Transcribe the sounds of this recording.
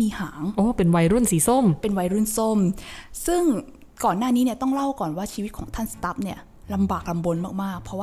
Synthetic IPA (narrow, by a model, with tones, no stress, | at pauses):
miː˧haː˩˦ŋʔoː˧˩pe˧nwa˧jɾu˥˩˨nsiː˨˩˦so˥˩mpe˧nwa˧jɾu˥˩nso˥˩msɯ˥˩ŋ | kɔː˨˩nːaː˥˩niː˦˥ni˥˩ɐt̪ɔ˥˩ŋla˥˩wkɔː˨˩nwaː˥˩t͡ɕʰi˧w̪̚kʰɔː˩˦ŋt̪ʰa˥˩nsḁ˧t̪a˦˥p̚ni˥˩ɐ | la˧mbaː˨˩k̚la˧mbo˧nmaː˥˩k̚maː˥˩k̚pʰɾɔ˦˥waː˥